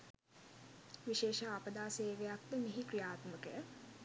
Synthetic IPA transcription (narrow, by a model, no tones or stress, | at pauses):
ʋiʃeːʃaːpəd̪aːseːʋejakt̪əneɦikrijaːt̪məkəjə